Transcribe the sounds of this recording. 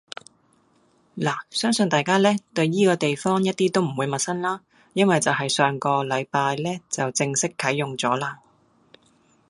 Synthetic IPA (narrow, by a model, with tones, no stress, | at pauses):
laː˨˩sœː˥ŋsɵ˧nt̪aː˨jkaː˥lɛː˥t̪ɵ˧ɥjiː˥kɔː˧t̪e˨jfɔː˥ŋjɐ˥t̚t̪iː˥t̪o˥wm̩˨˩wuː˨˧jmɐ˨t̚sɐ˥nlaː˥ | jɐ˥nwɐ˨jt͡sɐ˨wɦɐ˨jsœː˨ŋkɔː˧lɐ˨˧jpaː˧jlɛː˥t͡sɐ˨wt͡sɪ˧ŋsɪ˥kʰːɐ˨˥jːʊ˨ŋt͡sɔː˨˥laː˧